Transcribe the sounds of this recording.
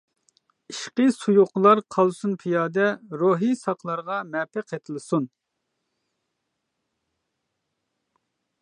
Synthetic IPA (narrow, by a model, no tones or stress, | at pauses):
iʃqəsujuqlˠɑɾqʰɑlˠsunpʰijɑːd̪ɛɾoɦisɑqʰlˠɑɾʁɑmɛpʰɨqʰet̪ʰɨlˠɨsun